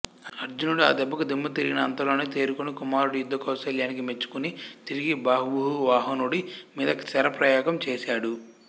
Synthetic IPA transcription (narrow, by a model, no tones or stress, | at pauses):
ɐɾd͡ʒunuɽua̰ːd̪ɛbːɐkud̪imːɐt̪iɾɡinɐɐnt̪ɐlo̞ːneːt̪e̞ːɾukunikumaːɾuɽijud̪ːɐkɐwsɐljaːnikime̞t͡ʃːu̥kunit̪iɾiɡibaːɦubuɦuʋaːɦɐnuɽimiːd̪ɐkt͡ʃɛɾɐpɾɐjaːɡɐmt͡ʃeːsaːɽu